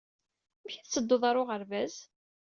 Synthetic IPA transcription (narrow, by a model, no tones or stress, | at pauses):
mçiθt͡sːəd̪ːoðˤɑɾˤoʁəɾvæz